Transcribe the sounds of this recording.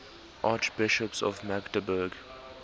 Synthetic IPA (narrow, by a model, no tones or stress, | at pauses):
ʔɑːt͡ʃb̥ɪʃəpsɔ̰vmakdəbəɡ